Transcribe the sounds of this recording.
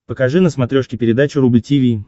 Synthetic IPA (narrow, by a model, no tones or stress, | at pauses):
pəkɐʐɨnəsmɐt̪ɾʲo̞ʂkʲɪpʲɪɾʲɪd̪at͡ɕʊɾublʲtʲivʲi